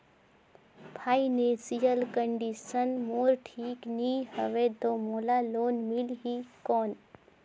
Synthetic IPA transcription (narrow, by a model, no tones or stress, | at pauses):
pʰaːinẽsijəlkəɳɖiʃənmoːɾʈʰiːkniːɦəʋed̪omoːlaloːnmilɦikɔːn